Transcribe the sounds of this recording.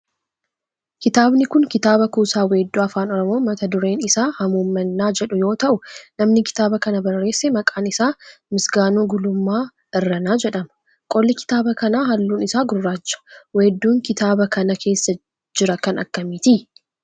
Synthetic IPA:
kɪt̪aːbnɪkʊŋkɪt̪aːbɐkuːsaːweːd̪ːuːɐfaːnɔɾɔmo̞ːmɐt̪ɐd̪ʊɾe̞ːnɪsaːhɐmuːmːɐnːaːd͡ʒɛᶑʊjo̞ːt̪ɐʔʊnɐmnɪkɪ̥t̪aːbɐkɐnɐbɐrːe̞ːsːɛmɐkʼaːnɪsaːmɪsɡaːnuːɡʊlʊmːaː | ɪrːɐnaːd͡ʒɛᶑɐmɐ̥ | kʼɔlːɪkɪ̥t̪aːbɐkɐnaːɦɐlːuːnɪsaːɡʊrːaːd͡ʒːɐ̥weːd̪ːuːŋkɪt̪aːbɐkɐnɐkʰe̞ːsːɐ | d͡ʒɪɾɐkɐnɐ̰kːɐmɪt̪ɪ

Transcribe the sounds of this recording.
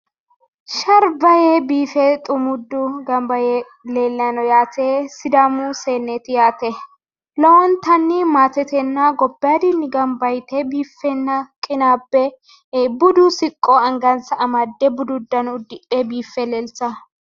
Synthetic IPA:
ʃɐɾbɐjebiːfɛt̪ʼʊmʊd̪ːʊɡɐmbɐje | leːlːjɐnɔjaːt̪esɪd̪ɐmʊseːnːet̪ɪjaːt̪ɛ | lɔwɔnt̪ɐnːɪmaːt̪ɛt̪ɛnːɐɡɔbːɪjad̪ɪnːɪɡɐmbɐjt̪ɛbiːfːɛnːɐkʼɪnaːbːɛ | bʊd̪ʊsɪkʼːɔɐŋɡɐnsɐʔɐmɐd̪ːɛbʊd̪ʊd̪ːɐnʊd̪ɪʔebiːfːɛleːlt͡sɐ

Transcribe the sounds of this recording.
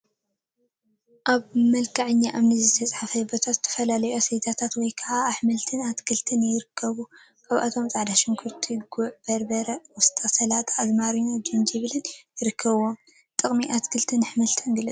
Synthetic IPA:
ʔaβmɐlkʰaʕɨɲːaʔaβnɨzɨt̪ʰɐt͡sʼħafɐbot̪ʰat̪zɨt̪ʰɐ̥fɐlalɐjo̞sejt̪ʰat̪ʰat̪wɔjkʰɐʕaːħmɐlt̪ʰɨnat̪kʰɨlt̪ʰɨnjɪɾɨkʰːɐβu | kʰʼaβʔa̰t̪ʰo̞mt͡sʼaʕd̪aʃɪŋkʰuɾt̪ʰiɡuʕb̥ɐɾbɐɾɐwɔst̪ʰʼasɐlat̪ʰaːzmaɾinod͡ʒɨnd͡ʒiβɨlɨnjɪɾɨkʰːɐβwom | t̪ʼɨχʼmiʔat̪kʰɨlt̪ʰɨnħmɐlt̪ʰɐnɡɨlɨt͡sʼ

